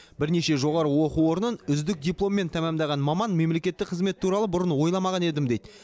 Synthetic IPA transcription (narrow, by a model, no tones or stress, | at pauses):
bɪɾne̞ʃe̞ʒo̞ʁɑɾəwo̞quwo̞ɾnənʏzd̪ɪk̚d̪ʲijplˠo̞mːe̞nt̪ʰæmæmd̪ɑʁɑnmɑmɑnme̞mle̞kʲe̞t̪ːɪk̚qʰəzme̞t̪ʰːuɾɑlˠəbʊɾənwo̞jlˠɑmɑʁɑne̞d̪ɪmd̪e̞jd̪ɪ